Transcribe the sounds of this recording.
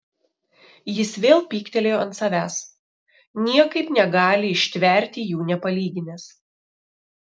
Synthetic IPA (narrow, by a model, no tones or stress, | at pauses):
jɪsʋʲeːlˠpʲiːkt̪ʲɛlʲeːjoːɐnt̪sɐʋʲæːs | nʲiɛkɐɪpnʲɛɡɑːlʲɪɪʃʲt̪ʲʋʲɛˑɾʲt̪ʲijuːnʲɛpɐlʲiːɡʲɪnʲɛs